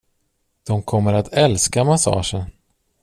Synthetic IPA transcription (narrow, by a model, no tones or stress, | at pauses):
d̪̥ɔmkʰɔmːəɾat̪ʰɛlskamasɑ̰ːʂən